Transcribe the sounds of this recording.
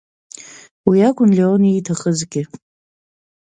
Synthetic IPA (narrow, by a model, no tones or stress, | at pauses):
wiakʷʰʼʊnleoniːtʰaχəzɡʲɪ